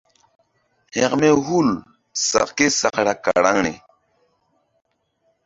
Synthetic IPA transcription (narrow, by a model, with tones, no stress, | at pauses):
he˨qme˦ɦu˦l | sa̰˨qke˦sa˨qɾa˨ka̰˨ɾa˦ŋnḛ˨